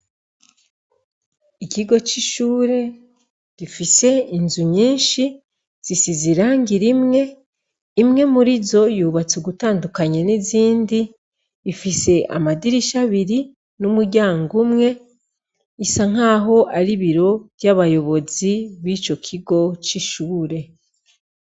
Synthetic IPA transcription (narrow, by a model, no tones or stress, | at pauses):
iciɡo̞t͡ʃiʃuːɾe̞ | ɡ̥ifise̞inzuɲiːnʃi | z̥isiziɾaːŋɡiɾimŋe̞ | imŋe̞muɾizo̞juːβat͡suɡutaːndukaɲeniziːndiː | fise̞ʔa̰madiɾiʃaβiɾi | numuɾɟaːŋɡumŋe̞ | isaŋ̥aːɦo̞ʔaɾiβiɾo̞βjaβajo̞βo̞ziβiːt͡ʃo̞kʰiɡo̞t͡ʃiʃuːɾe̞